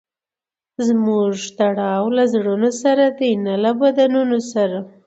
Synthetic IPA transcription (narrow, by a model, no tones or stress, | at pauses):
zmuʐt̪aɽɑwlazɽunosaɾad̪ənalabad̪anunosaɾa